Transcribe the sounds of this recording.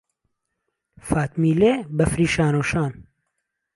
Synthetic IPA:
faːt̪miːleːbɐfɾiːʃaːnoːʃaːn

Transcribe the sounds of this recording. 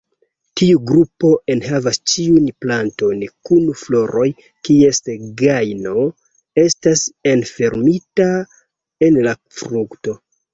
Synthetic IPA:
tiuɡɾupo̞ʔe̞nhavast͡ʃiunplanto̞nkunuflo̞ɾo̞j | kie̞sɡajno̞ | e̞stase̞nfe̞ɾmita | e̞nla | fɾukto̞

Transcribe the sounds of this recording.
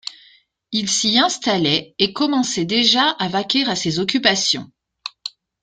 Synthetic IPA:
ilsiɛ̃st̪alɛekɔmɑ̃sɛd̪eʒaʔavakʲɛʁasezɔk̬ʲypasjɔ̰̃

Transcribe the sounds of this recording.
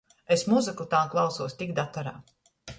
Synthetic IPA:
esmuzɨkut̪aːmklˠɑwsuɔsʲt̪iɡkd̪at̪ːaɾa̰ː

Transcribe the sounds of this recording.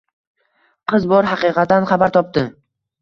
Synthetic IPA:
qʰɨzbɒɾɦɑqɨːqɑt̪ːanχɑbaɾt̪ʰɒp̚t̪ɪ

